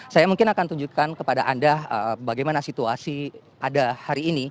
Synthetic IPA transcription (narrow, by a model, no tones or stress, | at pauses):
sajamuŋkɪnakant̪uɲd͡ʒukankəpadaʔandaəbaɡajmanasit̪uasi | padahaɾiːni